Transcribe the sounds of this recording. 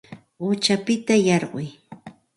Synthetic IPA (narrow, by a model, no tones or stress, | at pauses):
ʊt͡ʃapɪt̪ajɑɾɢʊj